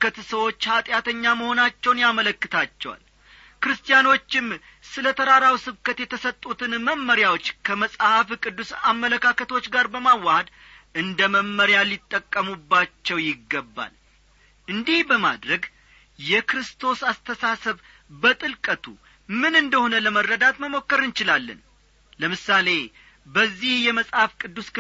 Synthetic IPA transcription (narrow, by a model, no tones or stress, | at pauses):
kət̪səwo̞t͡ʃːhat̪ʼjat̪ʰəɲːaməho̞nat͡ʃːɛwnjamələkːɨt̪ʰat͡ʃːɛwa̰l | kɨɾɨst̪ʰʼijano̞t͡ʃːɪm | sɨlət̪ʰəɾaɾawsɨβkət̪jɛt̪ʰəsət̪ʼːut̪ʰɨnməmːəɾjawo̞t͡ʃːkʰəməsʼhafkʼɨd̪ːusamːələkʰakət̪ʰo̞t͡ʃːɡaɾbəmawːahəd̪ | ʔɨnd̪əməmːəɾjalːɪt̪ʼːəkʼːəmubːat͡ʃːɛwjɪɡːəbːa̰l | ʔɨnd̪ihbəma̰d̪ɾəɡ | jɛkɾɨst̪ʰo̞sast̪ʰəsasəβ | bət̪ʼɨlkʼət̪ʰu | mɨnɨnd̪əho̞nələmərːəd̪at̪məmo̞kːəɾɨnt͡ʃɪlalːə̰n | ləmɨsːale̞ | bəzːihjɛməsʼhafkʼɨd̪ːuskɨ